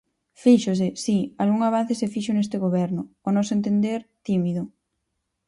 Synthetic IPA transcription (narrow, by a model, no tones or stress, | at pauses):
fiʃʊsɪsialɣuŋaβ̞an̟θɪsefiʃʊnest̪ɪɣoβɛɾnʊonɔsʊent̪end̪eɾt̪imiðʊ